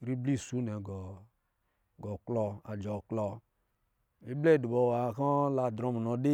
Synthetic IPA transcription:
ɾi˦bli˦˨su˨˦nɛ˨ɡɔ˨ | ɡɔ˨klɔ˧a˨d͡ʒɔ˨klɔ˧ | e˦blɛ˦˨du˨bɔ˧˨wa˨kɔ˦la˧˨dɾɔ˨˧m˨nɔ˨de˦

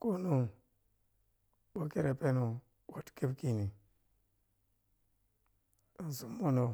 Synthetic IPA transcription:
ko˦nu˦ | bo˦ke˦ɾa˨pe˦nu˨ | wa˨tke˦bki˨ni˨ | n˨zu˨mːo˦no˨

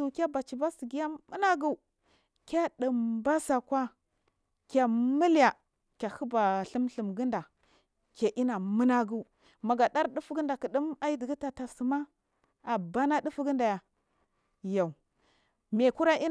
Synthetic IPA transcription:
u˨kʲa˦ba˨t͡ʃi˨ba˦si˨ɡi˦ja˦mu˦na˦ɡu˦˨ | kʲa˦ɗə˨mba˦sa˨kwa˦ | kʲa˨mi˦lja˨ | kʲa˨hu˦ba˨ɬi˦mɬə˨mɡə˦nda˨ | kʲa˨ʔi˦na˨mə˦na˦ɡu˦u˦ | ma˨ɡa˨ɗa˦ɾɗu˦fɡə˦nda˨kə˨ɗi˦ma˦i˦di˨ɡi˦ta˨ta˨su˨ma˦ | a˨ba˦na˦di˦fu˦ɡə˦nda˨ja˨ | ja˨u˨ | me˨ku˦ɾa˦ʔi˦

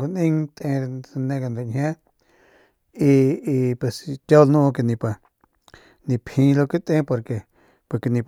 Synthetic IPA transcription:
ku˧nĩ˦ŋt̪ẽ˧nẽ˧ka˧nɾe˧˨hʲã˦ | i˧i˧pe˨st̪ʲa˦lnũ˦˧k̬i˧nĩ˧pa˧ | nĩ˧pʰĩ˧lo˧ki˦t̪ẽ˦po˧ɾke˧ | pe˧˨ki˧nĩ˧p

